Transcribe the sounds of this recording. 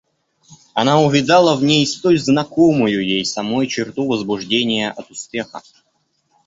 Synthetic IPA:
ɐnaʊvʲɪd̪alˠəvnʲejst̪ojʲznɐkomʊjʊjejsɐmojt͡ɕɪrt̪uvəzbʊʐdʲenʲɪjəʔɐt̪ʊspʲe̞xə̰

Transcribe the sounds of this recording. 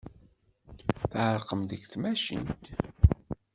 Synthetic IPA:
θʕəɾqəmðəɡθmæʃə̰nt̪

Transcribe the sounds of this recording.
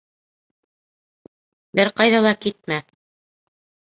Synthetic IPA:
bɘɾqɑjðɑlˠɑkit̪̚mæ

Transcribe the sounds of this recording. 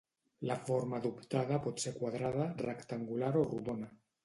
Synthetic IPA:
lafoɾmaðupt̪aðapɔt̪sekwaðɾað̞arekt̪aŋɡulaɾoruðona

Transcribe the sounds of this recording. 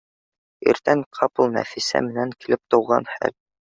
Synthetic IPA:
ḭɾt̪æŋqʰɑplˠnæ̰fisæ̰mɘ̆næŋkilɘp̚t̪ŏwʁɑnhæ̰l

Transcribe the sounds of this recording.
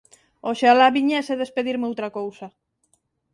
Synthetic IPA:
oʃalaβiɲeseðespeðiɾmeowt̪ɾakowsa

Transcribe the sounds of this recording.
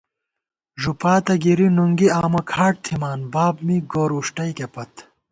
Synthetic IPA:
ʐupaːt̪ɐɡiɾinuŋɡiaːmɐkʰaːʈ̚t̪ʰimaːnbaːbmiɡoːɾuʂʈɐjkepɐt̪

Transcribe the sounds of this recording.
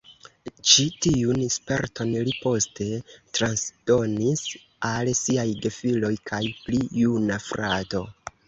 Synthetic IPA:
t͡ʃitiunespe̞̰ɾtʰo̞nlipo̞ste̞tɾansd̥o̞nis | alsiajɡe̞filo̞jkʰajpliːunafɾato̞

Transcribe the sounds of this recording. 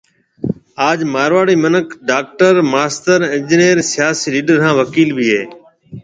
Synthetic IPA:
aːd͡ʒmaːɾʋaːɽiːmənəkʰɖaːk̚ʈəɾmaːst̪əɾɪ̃nd͡ʒɪnijəɾsɪjaːsiːliːɖəɾɦãːʋəkiːlbʱiːɦeː

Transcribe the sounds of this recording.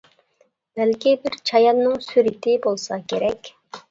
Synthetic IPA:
b̥ælkʲibɪɾt͡ʃʰɑjɑnːɨŋsyɾɪt̪ʰɪbolˠsɑkʲʰeɾɛkʲ

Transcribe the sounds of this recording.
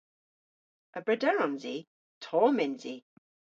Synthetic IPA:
ʔəbɹɛdɛɹɔ̃nzi | tʰɔːmɪnzi

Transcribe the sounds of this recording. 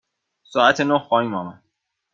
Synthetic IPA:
sɒːæt̪ʰenohxɒːhiːmɒːmæn

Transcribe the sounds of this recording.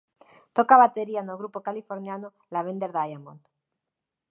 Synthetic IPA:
t̪okaβat̪eɾianoɣɾupokalifoɾnjano | laβ̞end̪eɾðajamont̪

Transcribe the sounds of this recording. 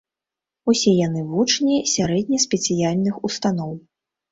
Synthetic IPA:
usʲɛjanɨvut͡ʂnʲisʲaɾɛd̪̚ʲnʲisʲpʲɛt̪sɨjalʲnɨxust̪anɔw

